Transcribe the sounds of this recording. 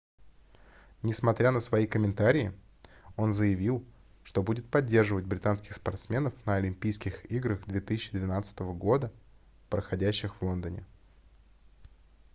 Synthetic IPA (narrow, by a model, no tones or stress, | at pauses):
nʲɪsmɐt̪ɾʲanəsvɐikəmʲɪnt̪aɾʲɪɪ | o̞nzəjɪvʲilˠ | ʂt̪o̞budʲɪt̪̚pɐdʲːe̞rʐɨvətʲbɾʲɪt̪anskʲɪ̥xspɐrt̪smʲe̞nəfnəɐlʲɪmʲpʲijskʲɪxiɡɾəxd̪vʲe̞t̪ɨsʲɪt͡ɕːɪd̪vʲɪnat̪sɨ̥t̪əvəɡo̞d̪ə | pɾəxɐdʲæɕːɪxvlˠo̞nd̪ənʲɪ̰